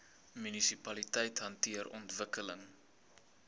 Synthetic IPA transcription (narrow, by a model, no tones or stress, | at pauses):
mynisipɐlitɛjtɦɐntiərɔ̰ntvəkələŋ